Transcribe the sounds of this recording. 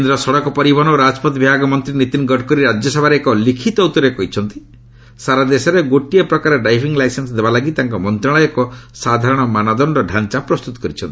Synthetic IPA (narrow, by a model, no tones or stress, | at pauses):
knd̪ɾɔsɔɽɔkɔpɔɾibɔnɔɾad͡ʒpɔt̪bibʱaɡɔmɔnt̪ɾinit̪inɡɔɖkɔɾiɾad͡ʒjɔsɔbʱaɾeːkɔlikʰit̪ɔut̪ɔɾekɔɦit͡ʃʰɔnt̪i̥ | saɾad̪esɔɾeɡoʈijepɾɔkaɾɔɖajpʰiŋlajsensɔd̪ebalaɡit̪aŋkɔmɔnt̪ɾaɭɔjɔkɔsad̪ʱaɾɔɽ̃ɔmanad̪ɔɳɖɔɖʱant͡ʃapɾɔst̪ut̪ɔ̥kɔɾit͡ʃʰɔnt̪i